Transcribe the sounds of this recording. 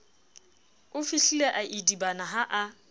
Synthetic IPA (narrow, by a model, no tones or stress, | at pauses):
ʊfiɬileʔaʔidibanaɦaʔa